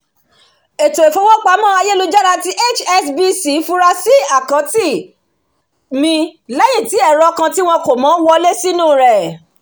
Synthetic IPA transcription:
e˨to˨e˨fo˨˧˦wɔ˦k͡pa˨˦mãː˦a˧je˦lu˧˦d͡ʒa˦ɾa˧ti˦ʔe˦˨t͡ʃɛ˧sbi˧˦si˨˦fu˦ɾa˧si˦a˦˨kã˨˦ti˦˨ | mĩ˧lɛ˦j̃ĩ˦˨ti˨˦ɛ˦˨ɾɔ˧kã˧ti˦w̃ɔ̃˧ko˨mãː˨˦wɔ˧le˦si˦nũ˦˨ɾɛ˨

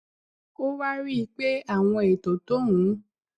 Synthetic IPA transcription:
o˦wa˦ɾi˦˧k͡pe˦a˦˨w̃ɔ̃˧e˨to˨to˦ɦũ˨˦

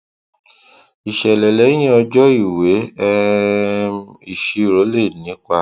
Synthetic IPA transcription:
i˨ʃɛ˨lɛ˨lɛ˨˦j̃ĩ˦ɔ˧d͡ʒɔ˦i˦˨we˨˦ɛ˧ | i˨ʃi˧˦˨ɾo˨˦le˦˨nĩ˨˦ka˧

